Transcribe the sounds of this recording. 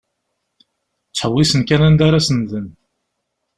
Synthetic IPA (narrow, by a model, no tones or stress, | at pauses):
t͡sːħəwisənkænænd̪aɾasənðən